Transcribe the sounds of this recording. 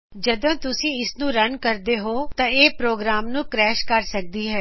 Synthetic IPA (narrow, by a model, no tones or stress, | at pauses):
d͡ʒəd̪õːt̪ʊsĩːɪsnũːɾənkəɾd̪eːɦoːt̪ãːeːpɾoːɡɾaːmnũːkɾɛːʃkəɾsək̚d̪iːɦɛː